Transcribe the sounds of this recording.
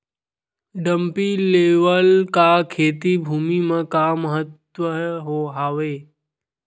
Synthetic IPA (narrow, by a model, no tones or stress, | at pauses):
ɖə̃mpileːʋəlkakʰeːt̪ibʱuːmimẽkaməɦət̪ | wəɦoɦaːʋeː